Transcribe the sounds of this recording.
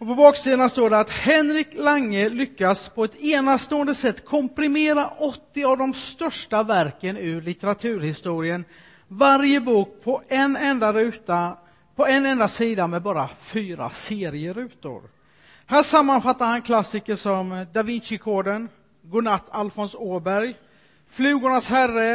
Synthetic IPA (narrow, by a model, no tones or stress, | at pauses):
ɔpɔbɑːksiːd̪ənast̪oːɖɛat̪hɛnɾɪklaŋːəlʏkːaspʰɔɛt̪eːnast̪oːənd̪əsɛt̪ːkʰɔmpɾɪmeːɾaʔɔt̪ːɪavd̪ɔmst̪œʂʈavæɾkənʉɭɪt̪əɾat̪ʰʉ̟ːɾhɪst̪uːɾɪən | vaɾjəbuːk̚pʰɔɛnɛnd̪aɾʉ̟t̪a | pʰɔɛnːɛnd̪asiːd̪amɛbɑːɾafyːɾa̰seːɾɪəɾʉ̟ːt̪ʊ̰ɾ | hæːʂamːanfat̪ːaɾhankʰlasːɪkəʂɔmd̪avɪnɕɪkʰoːɖən | ɡʊnat̪ʰːalfɔnsoːbæɾj | flʉ̟ːɡʊɳashærːə